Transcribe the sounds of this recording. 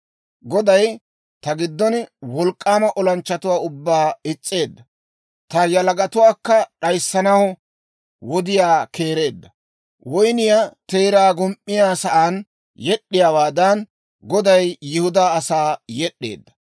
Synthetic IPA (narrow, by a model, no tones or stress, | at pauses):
ɡɔd̪ɐj | t̪ɐɡɪd̪ːɔnwɔlkʼːaːmɐʔɔlɐnt͡ʃːɐt̪ʊwaːʊbːaːɪt͡sʼːe̞ːd̪ːɐ | t̪ɐjɐlɐɡɐt̪ʊwaːkːɐɗɐjsːɐnɐwɔ | wɔd̪ɪjaːkʰe̞ːɾe̞ːd̪ːɐ | wɔjnɪjat̪eːɾaːɡɔmʔʼːɪjaːsɐʔaːn | jɛɗːɪjawaːd̪ɐn | ɡɔd̪ɐjːɪhʊd̪aːɐsaːjɛɗːe̞̰ːd̪ːɐ̥